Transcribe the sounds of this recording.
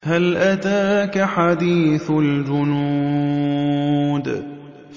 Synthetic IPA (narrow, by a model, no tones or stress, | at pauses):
halʔat̪aːkaħad̪iːθld͡ʒʊnuː | d̪